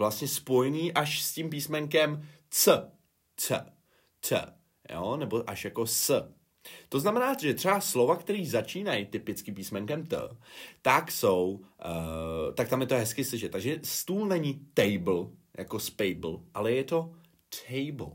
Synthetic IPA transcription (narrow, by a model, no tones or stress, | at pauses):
vlast̪ɲɛspo̞jɛniːʔaʃscimpiːsmɛŋkɛm | t͡sə | t͡sə̰ | t͡sə̰ | jo̰nɛbo̞ʔaʃjako̞sə | t̪o̞znamɛnaːt̪ʒɛt̪r̥ɛbaslo̞vakt̪ɛɾiːzat͡ʃiːnajt̪ɪpɪt͡skɪp̬iːsmɛŋkɛmt̪ə̰t̪akso̞w | t̪ak̚t̪amjɛt̪oɦɛskɪslɪʃɛt̪ːaɡʒɛst̪uːlnɛɲit̪ɛjbl̩jʔa̰ko̞spɛjbl̩ʔalɛjɛt̪o̞ | t̪ʰɛjbl̩